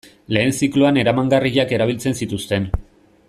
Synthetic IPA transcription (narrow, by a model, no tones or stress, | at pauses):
le̞ːnsikloane̞ɾamaŋɡariʎake̞ɾaβ̞ilt͡se̞nsit̪ust̪e̞n